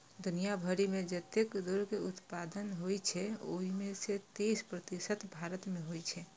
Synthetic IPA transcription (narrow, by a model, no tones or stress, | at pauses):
d̪unijabʱəɾimed͡ʒət̪ekd̪uɾkeut̪pad̪ənɦojt͡ʃʰɛo̰ɦimeset̪eispɾət̪isət̪bʱaɾət̪meɦojt͡ʃʰɛ